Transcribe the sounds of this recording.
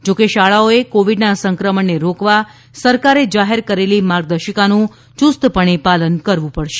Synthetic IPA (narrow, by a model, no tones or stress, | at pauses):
d͡ʒokeʃaɭaoekoʋiɖnasəŋkɾəmənːeɾokʋa | səɾkaɾed͡ʒaɦeɾkəɾelimaɾɡ̚d̪əʃəkanũ | t͡ʃust̪pəɳipalənkəɾʋũpəɽʃe̥